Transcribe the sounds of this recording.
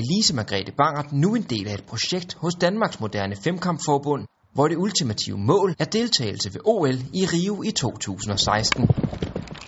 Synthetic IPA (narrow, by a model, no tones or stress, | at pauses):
lisəmæɡ̥ʁɛ̰d̥əb̥ɑ̈ŋ̰d̥nue̝nd̥e̝̰ːlæe̝d̥pʰʁo̝ɕeɡ̥̚d̥hɔ̽sd̥ænmɑ̈ɡ̥smo̝d̥æɐnəfemkʰɑ̈mb̥fɒːb̥ɔ̽n̰ | ʋɒɾ̥e̝ult͡sʰimæt͡sʰḭʊəmɔ̰̽ːlæɐd̥e̝lt͡sʰɛ̰ːɪl̩səʋe̝ʔo̝ːeliʁiːʊit͡sʰo̝̰ːt͡sʰṵːsn̩ɒ̽sɑ̈ɪsd̥n̩